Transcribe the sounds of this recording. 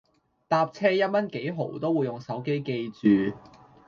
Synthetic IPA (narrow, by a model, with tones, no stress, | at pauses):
t̪aː˧p̚t͡sʰɛː˥jɐ˥t̚mɐ˥nke˨˥jɦo̰˨˩wt̪o˥wuː˨˧jʊ˨ŋsɐ˨˥wke˥jke˧jt͡syː˨˩